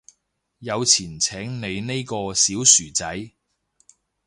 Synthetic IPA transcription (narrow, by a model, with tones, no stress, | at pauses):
jɐ˨˧wt͡sʰiː˨˩nt͡sʰɛː˨˥ŋne˨˧jne˥jkɔː˧siː˨˥wsyː˨˩t͡sɐ˨˥j